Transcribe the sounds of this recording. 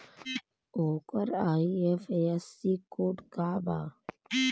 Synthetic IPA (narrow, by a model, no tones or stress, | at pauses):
oːkəɾaːiefeɛsːikoːʈkaːba̰ː